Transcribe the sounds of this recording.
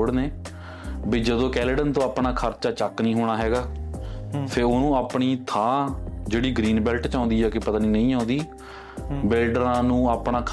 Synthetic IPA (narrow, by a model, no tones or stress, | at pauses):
ɽneː | biːd͡ʒəd̪õːkɛːləɖənt̪õːaːpnaːkʰəɾt͡ʃaːt͡ʃəknĩːɦoːɽ̃aːɦɛːɡaː | pʰeːɾoːnũːaːpɳiːt̪ʰãːd͡ʒeːɽiːɡɾiːnbɛːlʈt͡ʃãːnd̪iːɛːkɪpət̪aːniːnəĩːãːnd̪iː | bɪlɖɾãːnũːaːpɳaːkʰ